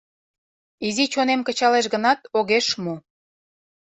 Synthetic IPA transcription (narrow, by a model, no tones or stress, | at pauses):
izit͡ɕonemkət͡ɕɑleʃ̬ɣənɑt̪oɣeʃmo